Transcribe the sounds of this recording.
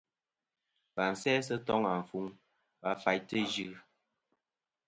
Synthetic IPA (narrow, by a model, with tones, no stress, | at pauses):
pa˨n̩˨sɛː˦s̬ə˦tɔ˦ŋa˨ɱ˨fu˨˦ŋ | ba˨fa˨jtə˦d͡ʒʉ˦˨